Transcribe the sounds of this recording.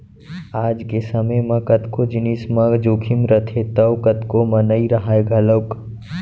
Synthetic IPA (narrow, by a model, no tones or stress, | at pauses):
aːd͡ʒkesɐməjmɐ̃kɐt̪kod͡ʒɪniːsmɐ̃ɡd͡ʒoːkʰɪmɾət̪ʰet̪ɐʋkɐt̪komɐnəiɾɐɦaeɡʱɐləwk